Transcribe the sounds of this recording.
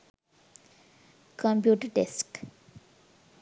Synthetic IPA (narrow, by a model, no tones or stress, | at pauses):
kʰɔ̃mpjuːʈəɖesk